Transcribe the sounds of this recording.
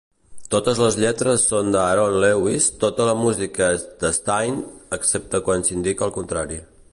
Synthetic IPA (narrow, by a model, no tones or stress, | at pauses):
t̪ot̪əzləzʎɛt̪ɾəsːond̪əaɾonlɛwist̪ot̪ələmuzikəd̪əst̪ajnəksep̚t̪əkwansind̪ikəlˠkunt̪ɾaɾi